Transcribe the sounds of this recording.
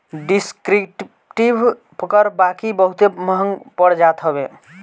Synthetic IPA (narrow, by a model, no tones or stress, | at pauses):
ɖiskɾiʈ | ʈib | pʰəkəɾbakibəɦut̪eməɦəŋpəɽd͡ʒat̪ɦəbe